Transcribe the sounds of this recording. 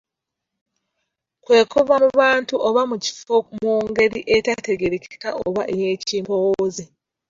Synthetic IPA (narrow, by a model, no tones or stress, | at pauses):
kwe̞ːkoβamuβaːntuʔoβamuci̥fomuːŋɡe̞ɾiʔetate̞ɡe̞ɾecta̰ʔo̰βa̰ʔejeːciːmbo̞woːze